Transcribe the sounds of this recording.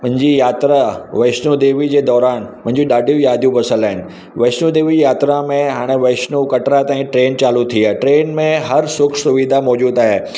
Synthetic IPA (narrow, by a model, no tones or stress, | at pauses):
mɐ̃ɦɪ̃ɲd͡ʑijaːt̪ɾaʋɐɪʃnud̪eːʋid͡ʑeːd̪ɔːɾaːnmʊ̃ɦɪ̃ɲd͡ʑiɗaːɖʱijũjaːd̪ʱjũbɐsəlaːɦɪnɪ̆ | ʋɐɪʃnud̪eːʋid͡ʑjaːt̪ɾamẽɦaːɽ̃eʋɐʃnukɐʈɾat̪ãːĩʈɾeːnt͡ɕaːlut̪ʰiaʈɾeːnmẽɦɐɾsʊkʰsʊʋid̪ʱamɔːd͡ʑuːd̪aːɦeː